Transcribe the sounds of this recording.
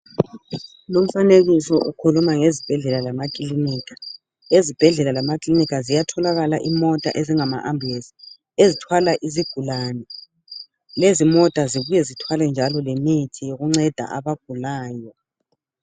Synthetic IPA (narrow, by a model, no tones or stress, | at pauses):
lom̩faneɣisɔʔukʰulumaŋezib̥ʱɛɮɛlalamakʼiliniːkʰḁ | ezib̥ʱɛɮɛlalamakʼlinikazijatʰɔlaɣalaʔimɔtʼa̰ʔeziŋama̰ʔambʱesi̥ | ezitʰwalaʔiziɡ̥ʱulaːnɛ | lezimɔtʼaziβujɛzitʰwalɛnd͡ʒʱalɔlemitʰijoɣuŋ͡ǀɛd̥ʱa̰ʔaβaɡ̥ʱulaːjɔ